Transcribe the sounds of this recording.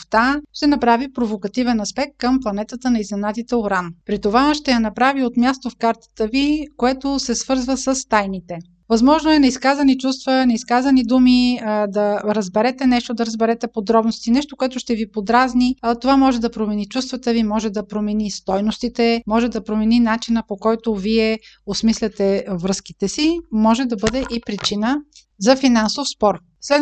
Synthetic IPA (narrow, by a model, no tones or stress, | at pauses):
ft̪aʃt̪ɛnɐpɾavipɾovokɐt̪ivɛnɐspɛk̚t̪̚kəmplˠɐnɛt̪ət̪ənɐiznɛnat̪it̪ɛoɾanpɾit̪ovaʃt̪ɛjɐnɐpɾaviot̪mjast̪ofkaɾt̪ə̥t̪əvikoɛt̪osɛsv̥ɤɾzvəsəst̪ajnit̪ɛ | vɐzmɔʒnoɛnɐiskazɐnit͡ʃust̪vənɐiskazɐnid̪umid̪ɐɾəzbɛɾɛt̪ɛnɛʃt̪od̪ɐɾəzbɛɾɛt̪ɛpod̪ɾɔbnost̪inɛʃt̪okoɛt̪ʊʃt̪ɛvipod̪ɾaznit̪ovamɔʒɛd̪ɐpɾomɛnit͡ʃust̪vət̪əvimɔʒɛd̪ɐpɾomɛnist̪ɔjnost̪it̪ɛmɔʒɛd̪ɐpɾomɛninat͡ʃinəpokɔjt̪oviɛ | osmislʲɐt̪ɛvɾɤskit̪ɛsimɔʒɛd̪ɐbɤd̪ɛʔipɾit͡ʃinə | zɐfinansofspɔɾ | slɛ